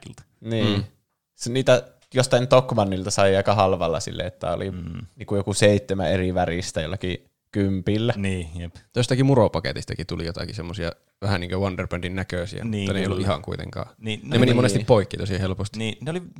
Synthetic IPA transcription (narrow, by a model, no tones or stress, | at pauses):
lt̪ɑ̥ | niː | sniːt̪æ | jost̪ɑint̪okmɑnːilt̪ɑsɑiɑˑikɑhɑlʋɑlːɑ̰sḭlːʔḛet̪ːæ̰o̰liniːŋkujokuseˑit̪ːemæ̰eriʋærist̪æjolːɑki | kympilːænijept̪ost̪ɑkimuropɑkḛt̪ist̪ɑkit̪ulijot̪ɑ̰kisemːosiɑ | ʋæhæniːŋkøwɑnderpøndinnækøˑsḭæ̰mnuːɑneijolːuʔʔihɑ̰ŋkuit̪ḛŋkɑ̰ːniːemenimonesipoikːiːt̪osiɑhelpost̪iniːneoli